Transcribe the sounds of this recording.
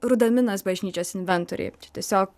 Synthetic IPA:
ɾʊd̪ɐmʲɪnɐsbɐʒʲnʲiːt͡ʃʲoːsɪnʲʋʲɛnˑt̪oɾʲɛ̰ːt͡ʃʲɛ̥tʲiɛsʲoːk

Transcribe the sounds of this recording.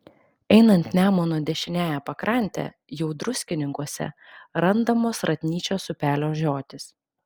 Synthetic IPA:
ɛɪnɐnʲt̪nʲæːmoːnuɔd̪ʲɛʃʲɪnʲæːjæpɐkɾɐˑnʲˑt̪ʲæ̰ | jɛʊd̪ɾʊsʲkʲɪnʲɪŋkuɔsʲɛ̰ɾɐnd̪ɐmoːsɾɐt̪ʲnʲiːt͡ʃʲoːsʊpʲæːlʲoːʒʲoːt̪ʲɪs

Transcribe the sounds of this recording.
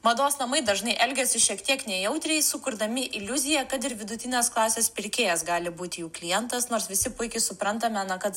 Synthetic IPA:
mɐd̪oːsnɐmɐɪd̪ɐʒnɐɪʔɛlʲɡʲɛsʲɪʃʲiɛkt̪ʲiɛknʲɛjɛʊt̪ʲɾʲɛɪsʊkʊɾd̪ɐmʲɪʔɪlʲʊzʲɪjɛkɐt̪ɪɾʋʲɪd̪ʊt̪ʲɪnʲeːsklˠɑːsʲeːspʲɪɾʲkʲeːjɛsɡɑːlʲɪbuːt̪ʲɪjuːklʲɪjɛnt̪ɐsnoːɾsʋʲɪsʲɪpʊɪkʲɪsʊpɾɐnt̪ɐmʲɛnɐkɐt̪

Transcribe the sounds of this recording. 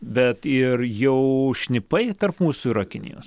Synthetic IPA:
bʲɛt̪ɪrjɛʊʃʲnʲɪpɐɪt̪ɐrpmuːsʊiɾɐkʲɪnʲɪ̰jo̰ːs

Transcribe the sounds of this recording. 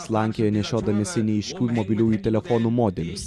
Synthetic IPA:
slˠɑˑŋʲkʲɛjɛnʲɛʃʲoːd̪ɐmʲɪsʲɪnʲɛɪʃʲkʲuːmɔbʲɪlʲuːjuːt̪ʲɛlʲɛfɔnuːmoːd̪ʲɛlʲʊs

